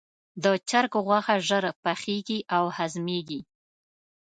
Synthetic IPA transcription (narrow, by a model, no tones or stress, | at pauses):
d̪ət͡ʃaɾkoɣwaxaʒəɾpaxeɡiʔawhazmeɡi